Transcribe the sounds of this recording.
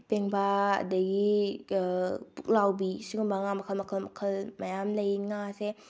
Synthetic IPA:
peŋbaɐ̰dɐɡi | puk̚lawbisiɡumbaŋamɐkʰəlmɐkʰəlmɐkʰəlmajamlɐjŋase

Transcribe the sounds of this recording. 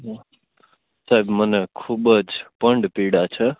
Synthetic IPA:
ɦ | sajbmənkʰubəd͡ʒpəɳɖpiɽat͡ʃʰə

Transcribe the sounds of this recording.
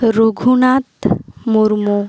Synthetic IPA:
ɾoɡʱunat̪muɾmo

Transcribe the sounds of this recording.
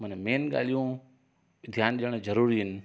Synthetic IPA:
mənmeːnɠa̰ːlijũ | d̪ʱjaːnʄiəɽ̃zɐɾuːɾiɦɪnɪ̆

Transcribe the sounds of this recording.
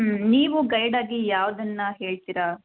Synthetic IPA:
niːʋuɡɐjɽaːɡijaːʋd̪ɐnːɐɦe̞ːɭt̪iɾa

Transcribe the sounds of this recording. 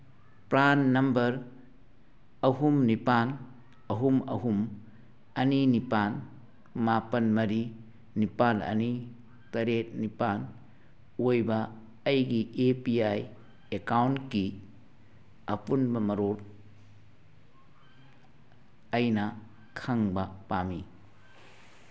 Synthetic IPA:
pɾanːɐmbɐɾ | ɐɦumnipan | ɐɦumɐ̰ɦum | ɐninipan | mapɐnmɐɾi | nipanɐ̰ni | tɐɾet̚nipan | ojbɐː | jɡiʔepiaj | ekawnki | ɐpunbɐmɐɾoɾ | ɐjnɐ | kʰaŋbɐpami

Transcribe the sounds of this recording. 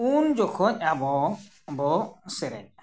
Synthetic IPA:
und͡ʒɔkʰɔc̚ʲˀabɔ | bɔsɛɾɛ̰ɲ̚

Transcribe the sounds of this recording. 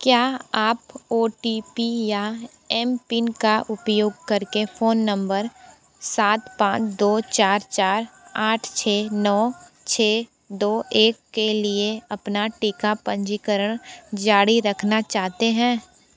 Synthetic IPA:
kjaːaːpoːʈiːpija | ɛmpinkaʔʊpjoːɡ̚kɐɾkefʰoːnːə̃mbəɾ | saːt̪pãːt͡ʃd̪oːt͡ʃaːɾt͡ʃaːɾaːʈʰt͡ʃʰeːnɔːt͡ʃʰeː | d̪oːʔeːkːelieɐpnaʈiːkapə̃ɲd͡ʒikəɾəɽ̃d͡ʒaːɽiɾɐkʰnat͡ʃaːɦt̪eɦɛ̃ː

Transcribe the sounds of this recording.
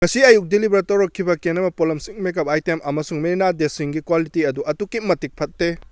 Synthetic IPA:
ŋɐsiɐjuk̚dilibɐɾtɐwɾɐkʰːibɐkenɐmɐpolɐmsiŋmekɐp̚ajtemʔɐmɐsuŋmeinadesiŋɡikwalitiɐduʔɐtukimɐtik̚pʰɐt̚ːe

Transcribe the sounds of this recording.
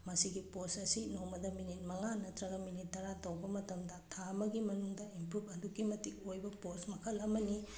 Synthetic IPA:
mɐsiɡiposɐsinomɐdɐminit̚mɐŋanɐtɾɐɡɐminitːɐɾatɐwbɐmɐtɐmdɐtʰaɐmɐɡimɐnuŋdɐimpɾubʰɐdukːimɐtik̚ojbɐposmɐkʰɐlɐmɐni

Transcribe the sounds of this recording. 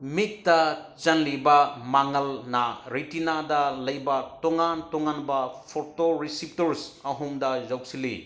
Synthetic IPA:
mik̚tɐ | t͡ʃɐnlibɐmaŋɐlnɐɾejtinadɐlɐjbɐtɔŋantɔŋanbɐpʰoɾtoɾisip̚tɐɾsɐɦumdɐzaw̚silḭ

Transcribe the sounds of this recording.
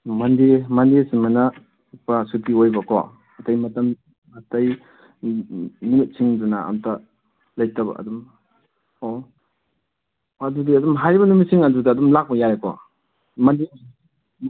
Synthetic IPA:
mɐndemɐndesimana | upasutiojbɐkʰɔ̰ | ɐtajmɐtɐm | ɐtaj | nimit̚sʰiŋduna̰ːmta | lajtaba̰ɐ̰dum | o | adudiɐdumɦajɾibɐnumisiŋadudaːdumlak̚mɐjajekɔ̰ | mande

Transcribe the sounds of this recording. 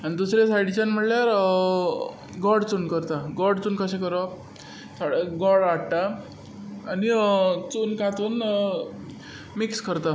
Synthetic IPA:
anid̪usɾesajɽit͡ɕanm̤əʈljaɾ | ɡɔɽt͡sunkəɾt̪aɡɔɽt͡suːnkəɕẽkəɾʋa | saɽeɡɔɽaɽʈ̪aː | nit͡suːnkãt̪uːn | mikskəɾt̪a

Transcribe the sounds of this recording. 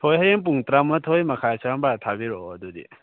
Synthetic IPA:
tʰojɦajeŋp̬uŋtɾamɐtʰojmɐkʰajsambatʰabiɾɔdudḭ

